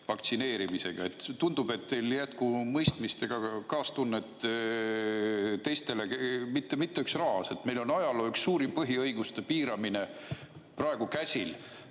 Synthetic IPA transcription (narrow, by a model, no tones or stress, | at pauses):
fɑkt̪sine̞ːɾimise̞ɡ̥ɑe̞t̪t̪ːund̪̥ub̥e̞t̪ːe̞jljæt̪kumɤjst̪mist̪e̞ɡ̥ɑkɑːst̪unːet̪ | t̪e̞jst̪e̞leemit̪ːe̞mit̪ːeyksrɑɦɑse̞t̪me̞jlo̞nɑjɑloːyksːuːɾimpɤɦiɤjɡ̥ust̪e̞piːɾɑmine̞ | prɑeɡ̥ukæsʲil